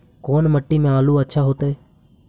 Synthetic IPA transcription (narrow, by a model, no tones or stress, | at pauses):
koːnməʈːiːmẽːaːluːətːʃʰaːɦoːt̪eː